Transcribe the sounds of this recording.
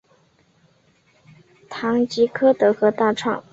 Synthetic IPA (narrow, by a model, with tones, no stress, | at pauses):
t̪ʰɑ˧˥ŋt͡ɕi˧˥kʰɤ˥t̪ɤ˧˥xɤ˧˥t̪a˥˧ʈ͡ʂʰwɑ̰˥˩ŋ